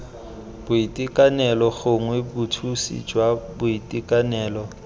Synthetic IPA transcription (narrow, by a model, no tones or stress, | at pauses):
b̥ʊitʼikʼanɛlɔχʊŋwebʊtʰusḭd͡ʒwabʊitʼikʼanɛːlɔ